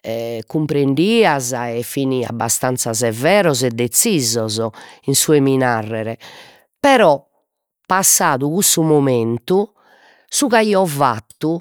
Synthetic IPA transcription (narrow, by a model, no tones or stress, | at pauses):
ɛkːumpɾeɳɖiːazaɛfːinia̰bast̪ant̪sazɛvɛːɾɔzɛd̪ːet̪siːzɔzɔinsuɛminarːɛɾɛ | pɛɾɔ | pːasːaːðuɣusumoment̪u | suɣaiɔva̰t̪ːu